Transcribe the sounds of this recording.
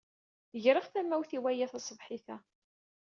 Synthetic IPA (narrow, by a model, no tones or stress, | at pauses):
əʝɾəʁθæmːæwθiwæjæθɑsˤəvħiθæ